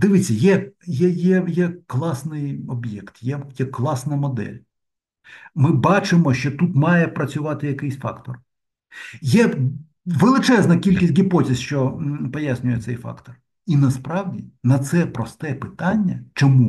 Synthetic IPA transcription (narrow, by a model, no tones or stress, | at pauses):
d̪ɪʋɪt͡sʲːɐjɛjɛjɛjɛklˠɑsnɪjɔbjɛkt̪jɛjɛklˠɑsnɐmɔd̪ɛ̰lʲ | mɪbɑt͡ʃɪmɔʃt͡ʃɔt̪ut̪mɑjɛpɾɐt͡sʲʊʋɑt̪ɪjɐkɪjsʲfɑ̰kt̪ɔr | jɛ | ʋelˠɪt͡ʃɛznɐkʲilʲkʲisʲtʲɡʲipɔtʲisʲʃt͡ʃɔpɔjasʲnʲʊjɛsɛjfɑ̰kt̪ɔr | inɐspɾɑwdʲinɐt̪sɛpɾɔst̪ɛpɪt̪ɑnʲːɐt͡ʃɔmu